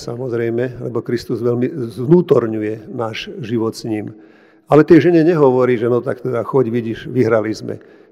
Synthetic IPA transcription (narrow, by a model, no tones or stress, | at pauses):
samɔzɾɛjmɛlɛ̰bɔkɾist̪uzʋɛlmizʋnuːt̪ɔɾɲujɛnaːʒʒiʋɔt̪sɲiːm | alɛt̪ɪɛʒɛɲɛɲɛɦɔʋɔɾiːʒɛnɔt̪akt̪ɛd̪axɔɟʋiɟiʃʋiɦɾalizmɛ̰